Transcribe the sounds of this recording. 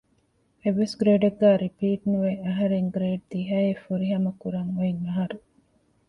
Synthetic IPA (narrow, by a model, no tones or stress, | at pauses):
eʋːesɡɾeːɖeɡːæːɾipiːʈnuʋeɐɦɐɾeŋɡɾeːɖ̚d̪iɦɐefuɾiɦɐmɐkuɾɐŋuiŋɐɦɐɾu